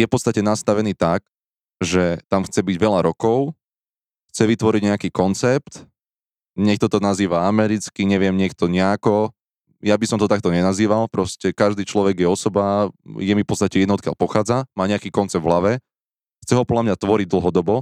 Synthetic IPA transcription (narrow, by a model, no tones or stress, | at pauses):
jɛfpɔt̪t͡st̪acɛnast̪aʋɛniːt̪ak | ʒɛt̪amxt͡sɛbiɟʋɛʎaɾɔkɔʊ | xt͡sɛʋit̪ʋɔɾiɟɲɛakiːkɔnt͡sɛpt̪ | ɲɛk̚t̪ɔt̪ɔnaziːʋaamɛɾit͡skiɲɛʋɪɛmɲɛk̚t̪ɔɲɛakɔ | jabisɔmt̪ɔt̪ak̚t̪ɔɲɛnaziːʋalpɾɔscɛkaʒd̪iːt͡ʃlɔʋɛɡjɛɔsɔbajɛmifpɔtt͡sst̪acɛɛd̪nɔt̪kjaʎpɔxaːd͡zamaːɲɛakiːkɔnt͡sɛbd̪vɦlaʋɛ | xt͡sɛɦɔpɔdlʎamɲat̪ʋɔɾiɟ̚d̪l̩ˠɦɔd̪ɔbɔ